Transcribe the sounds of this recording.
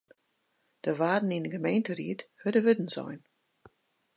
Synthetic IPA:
d̥əʋaːdn̩inəɡəmeːntərḭəthødəʋødn̩sɔ̰jn

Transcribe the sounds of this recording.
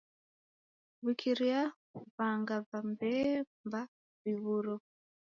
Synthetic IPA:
βikʰiɾia | βaŋɡaβambɛmba | βiβuɾɔ

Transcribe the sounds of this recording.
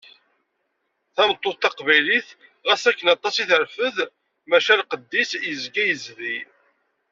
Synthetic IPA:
θæmət̪ˤːoθt̪ɑqvæjliθ | ʁæsækːənɑt̪ˤːɑsiθəɾfəð | mæʃælqəd̪ːisjəzɡæjəzði

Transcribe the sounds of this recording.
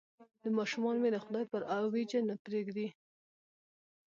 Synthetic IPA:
d̪əmɑʃumɑnomelaxʊd̪ɑjpəɾawid͡ʒanapɾeɡd̪i

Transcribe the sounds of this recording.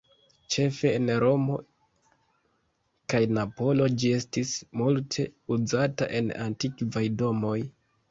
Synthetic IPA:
t͡ʃe̞fe̞ːnɾo̞mo̞ | kajnapo̞lo̞d͡ʒie̞stismultʰe̞uzata̰ʔe̞na̰ntikvajdo̞mo̞j

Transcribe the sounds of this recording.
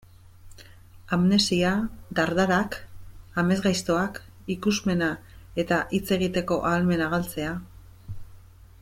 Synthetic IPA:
amne̞siad̪aɾðaɾakame̞zɣajst̪o̞ak | ikuzme̞na | e̞t̪aʔit͡se̞ɣ̞it̪e̞ko̞ʔalme̞naɣalt͡se̞a

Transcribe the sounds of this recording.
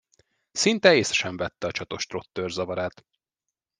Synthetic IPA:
sint̪ɛeːsɛ̥ʃɛɱvɛt̪ːɛɒt͡ʃɒt̪o̞ʃt̪ro̞t̪ːørzɒvɒɾaːt̪

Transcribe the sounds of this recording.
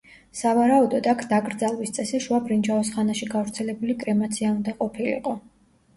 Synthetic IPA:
savaɾaud̪ɔd̪akʰd̪aɡɾd̪zalˠwist̪sʼɛsɛʃuabɾind͡ʒaɔsχanaʃiɡavɾt̪sʰɛlɛbulikʼɾɛmat̪sʰiaund̪aqʼɔpʰilḭqʼɔ

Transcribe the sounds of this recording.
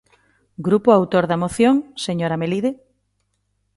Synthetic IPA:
ɡɾupoawt̪oɾðɐmoθjoŋseɲoɾameliðe

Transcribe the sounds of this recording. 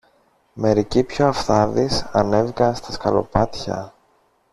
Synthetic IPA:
me̞ɾicipçoɐfθɐðisɐne̞vikɐnst̪ɐskɐlo̞̰pɐt̪çɐ̰

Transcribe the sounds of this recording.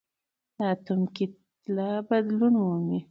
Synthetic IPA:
at̪umki | labad̪lunwumi

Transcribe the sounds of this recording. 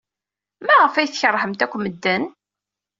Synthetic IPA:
mæʁəfæjθçəɾˤːħəmt̪ækʷːməd̪ːən

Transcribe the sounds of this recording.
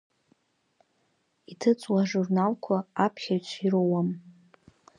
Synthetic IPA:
itʰɨt͡sʼwaʐurnalkʷʰaapʰχʲaɥt͡ʃʷʰiɾowam

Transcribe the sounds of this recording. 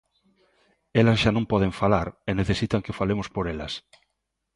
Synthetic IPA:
elazʒanõmpɔð̞eɱfalaɾeneθesit̪aŋkefalemospoɾela̰s

